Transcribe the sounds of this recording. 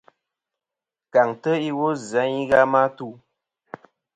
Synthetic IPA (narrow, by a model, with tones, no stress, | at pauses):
ka˨ŋtə˦i˦wo˦za˨˦i˦ɣa˦ma˦tu˦˨